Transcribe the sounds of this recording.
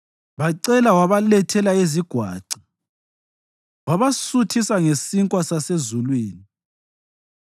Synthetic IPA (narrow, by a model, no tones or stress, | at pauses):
βaǀɛlawaβalɛtʰɛlaeziɡ̥ʱwa̰ːǀi̥ | waβasutʰisaŋesiŋkʼwasasezulwiːni